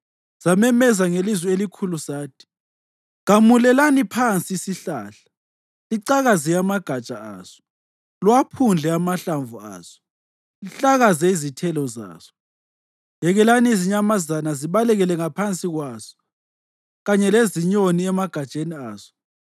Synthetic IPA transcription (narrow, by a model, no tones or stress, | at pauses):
z̥amɛmɛzaŋelizwɛelikʰulusaːtʰi̥ | ɣamulɛlanipʰant͡sʼiisiɬaɬḁ | liǀaɣazijamaɡ̥ʱat͡ʃʼaa̰ːz̥ɔ̥ | lwapʰund͡ɮʱɛamaɬaɱvua̰ːz̥ɔ̥ | liɬaɣazɛizitʰɛlɔza̰ːz̥ɔ̥ | jɛɣɛlaniiziɲamazanaziβalɛɣɛlɛŋapʰant͡sʼiɣwaːz̥ɔ̥ | ɣaɲɛleziɲoniɛmaɡ̥ʱat͡ʃʼeniaːz̥ɔ̥